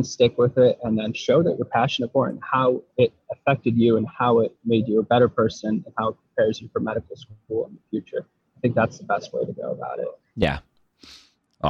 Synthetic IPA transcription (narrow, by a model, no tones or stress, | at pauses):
nstɪkwɪðɪɾɨ̃nðɨ̃nʃoʊðɨ̰ʔwə˞pʰæʃɨnɨt̚fə˞ɨ̰̃nhaʊɪɾ | ɨfɛk̚tɨd͡ʒʉə̃nhaʊɪt̚meɪdd͡ʒɨəbɛɾə˞pʰɜ˞sɨ̃nɨ̃nhaʊət̚pʰɹ̥ipʰɛɹzɨfə˞mɛɾɨkl̩ˠsulˠə̰̃nðəfjʉt͡ʃə˞ | aɪθɪ̃ŋk̚ðætsðəbɛst̚weɪɾɨɡo̰ʊəba̰ʊɾɪ̰t̚ | jæ̰